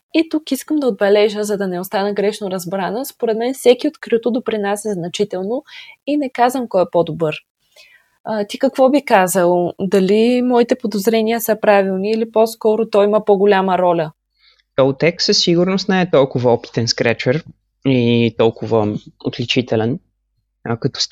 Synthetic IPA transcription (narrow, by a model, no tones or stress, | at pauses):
it̪ukiskəmd̪ɐod̪̚bɛlɛʒəzɐd̪ɐnɛost̪anəɡɾɛʃnoɾɐzbɾanəspoɾɛd̪mɛnfsɛkiot̪kɾiut̪od̪opɾinasʲəznɐt͡ʃit̪ɛlˠnoinɛkazvəmkɔjɛpɔd̪obɤɾ | ət̪ikɐkvɔbikazəlˠd̪ɐlimɔit̪ɛpod̪ozɾɛniəsəpɾavilˠniːliposkɔɾʊt̪ɔiməpoɡʊlʲaməɾɔlʲə | t̪ɔt̪ɛksəsːiɡʊɾnʊst̪nɛɛt̪ɔlˠkʊvɐɔpi̥t̪ɛnskɾɛt͡ʃɛɾ | it̪ɔlˠkʊvəo̰t̪lɛt͡ʃit̪ɛlɛn | kɐt̪ɔ̥